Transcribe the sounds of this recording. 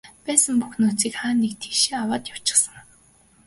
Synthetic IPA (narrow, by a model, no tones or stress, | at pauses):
pæːsə̆mpuxnuːt͡siːkχaːnːekt̪ʰeːʃiːawaːt̪jaw̥t͡ɕɪ̥̆χsə̆ŋ